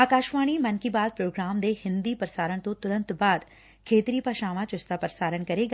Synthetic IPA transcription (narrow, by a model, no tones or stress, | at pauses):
aːkaːʃʋaːɽ̃imɐ̃nkibaːd̪̚pɾoːɡɾaːmd̪eːhɪ̃nd̪ipɐɾsaːɾəɽ̃t̪õt̪ʊɾə̃nt̪baːd̪ | kʰeːt̪ɪɾipaʃaːʋãt͡ɕʊst̪apɐɾsaːɾəɽ̃kɐɾeɡ